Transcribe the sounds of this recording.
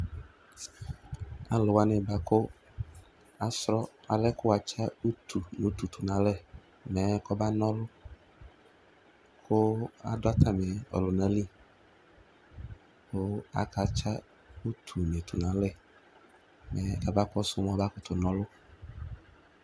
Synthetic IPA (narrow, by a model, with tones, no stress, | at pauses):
a̰˨lʊ˨wa˦nɪ̃˨ba˦kʊ˦ | a˨sɾɔ˦a˨lɛ˦kʊ˦wa˨t͡ʃa˦u˦t̪ʰu˨n˨o˨˦t̪u˨t̪ʰu˨nã˨˦lɛ˦˨ | mɛ˨˦kɔ˦ba˦nɔ̃˦lʊ˦ | kʰʊ˦a̰˨dʊ˦a˦t̪ʰa˦mɛ˨ɔ̰˨lʊ˨nã˨˦li˦ | kʊ˦a̰˨ka˨t͡ʃa˦ | u˦t̪ʰu˨mẽ˨t̪ʰu˨nã˨˦lɛ˦˨ | mɛ˦ka˨ba˦kɔ˦sʊ˦m˦ɔ̃˦ba˦kʊ˦t̪ʊ˨nɔ̃˦lʊ˦